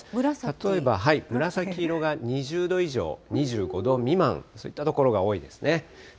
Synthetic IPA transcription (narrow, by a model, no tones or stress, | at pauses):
ɾt̪at̪o̞e̞baɦaimɯ̟ɾasakʲiɾo̞ɡaɲ̟iʑɨːd̪o̞iʑo̞̰ːɲ̟iʑɨːɡo̞d̪o̞mʲimã̰ŋso̞ːit̪ːat̪o̞ko̞ɾo̞ɡao̞ːid̪e̞sɨ̥ne̞